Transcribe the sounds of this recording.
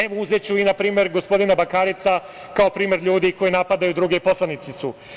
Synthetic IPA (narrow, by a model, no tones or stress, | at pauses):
eʋouzet͡ɕuinapɾiːme̞ɾɡo̞spo̞d̪inabakaːɾit̪sa | kao̞pɾiːme̞ɾʎuːd̪iko̞jinapad̪ajud̪ɾuɡepo̞slˠanit̪sisu